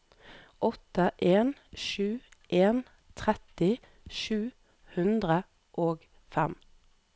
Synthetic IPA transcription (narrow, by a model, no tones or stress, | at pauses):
ʔɔt̪əʔeːnʃʉːʔeːn | t̪ʰʁɛt̪ɪ | ʃʉː | hʉnd̪ʁə | ʔoːɡ | fɛm